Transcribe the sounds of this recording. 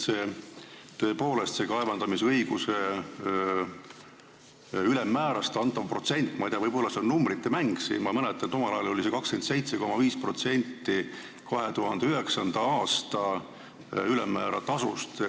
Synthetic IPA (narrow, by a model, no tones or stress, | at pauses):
se̞ːt̪ø̞ːpo̞ːle̞st̪se̞kɑevɑnd̪̥ɑmisɤjɡ̥use̞ | ylemːæːɾɑst̪ɑnt̪ːˑɑvpro̞t̪se̞nʲt̪ːˑmɑjt̪eɑvɤjb̥o̞lːɑseonnumbɾit̪ːe̞mæŋɡ̥sḭnmɑmɤnɛt̪ːˑɑnt̪o̞mɑlɑjɑlo̞lise̞kɑkske̞nt̪se̞jt̪se̞ko̞mɑviːspro̞t̪se̞nʲt̪ːi | kɑɦe̞t̪uɦɑnd̪e̞yɦe̞ksɑnd̪̥ɑɑːst̪ɑ | ylemːæːɾɑ̰t̪ɑsust̪